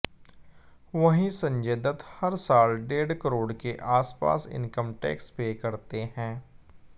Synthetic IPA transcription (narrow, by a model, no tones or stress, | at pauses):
ʋɐɦĩsə̃ɲd͡ʒeːd̪ət̪hɐɾsaːlɖeːɖkəɾoːɽkeʔaːspa̰ːsɪ̰̃nkəmʈɛ̰ːkspekɐɾt̪eɦɛ̃ː